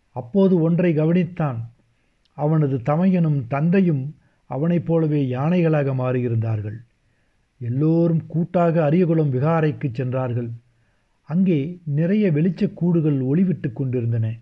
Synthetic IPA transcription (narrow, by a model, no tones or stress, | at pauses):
ɐpːoːðɯɔndrɐɪɡɐʋɐnɪt̪ːaːn | ɐʋɐnɐðɯt̪ɐmɐjɐnɯmt̪ɐnd̪ɐjɯm | ɐ̰ʋɐnɐɪpːoːlɐʋeːjaːnɐɪɣɐɭaːɣɐmaːɾɯjɪɾɯnd̪aːɾɣɐɭ | ɛlːoːɾɯmkuːʈːaːɣɐːɾɪjɐɣɯɭɐmʋɪɣaːɾɐɪkːɯt͡ʃːɛndraːɾɣɐɭ | ɐŋɡeːnɪrɐjɐʋɛɭɪt͡ʃːɐkːuːɽɯɣɐɭɔɭɪʋɪʈːɯkːɔɳɖɪɾɯnd̪ɐnɐ